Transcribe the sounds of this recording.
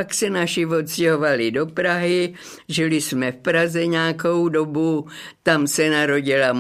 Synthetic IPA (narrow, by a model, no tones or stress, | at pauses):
aksɛnaʃɪvo̞t̪scɛɦo̞valɪdo̞pɾaɦɪ | ʒɪlɪsmɛfpɾazɛɲɛːkowdo̞but̪amsɛnaɾo̞ɟɪlam